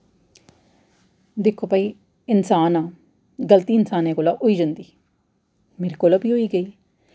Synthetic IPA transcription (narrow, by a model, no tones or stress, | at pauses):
d̪ekʰoːpaːiː | ɪnsaːnãː | ɡəlt̪iːɪnsaːnẽːkoːlaːʔʊiːd͡ʒənd̪iː | meːɾiːkoːləbiːɦoiːɡəiː